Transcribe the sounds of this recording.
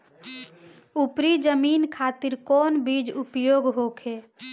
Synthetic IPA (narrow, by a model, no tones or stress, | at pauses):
upɾid͡ʒəmiːnkʰaːt̪iɾkɔːnbid͡ʒupjoːɡɦoːkʰeː